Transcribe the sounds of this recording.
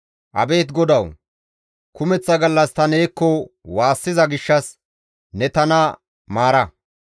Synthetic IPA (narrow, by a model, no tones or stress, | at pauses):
ʔɐ̰be̞ːt̪ɡɔd̪ɐw | kʊmɛt͡sːɐɡɐlːɐst̪ɐne̞ːkːɔwaːsːɪzɐɡɪʃːɐs | nɛt̪ɐnɐ | maːɾɐ